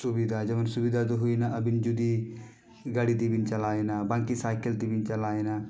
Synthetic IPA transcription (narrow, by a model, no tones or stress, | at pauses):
sʊbid̪ad͡ʒɐʋənsʊbid̪at̪̬oɦʊinaɐbɪnd͡ʒud̪i | ɡaːɽit̪ibɪnt͡ʃɐlaːenabãːŋkisaːjkəlt̪ibɪnt͡ʃɐlaːena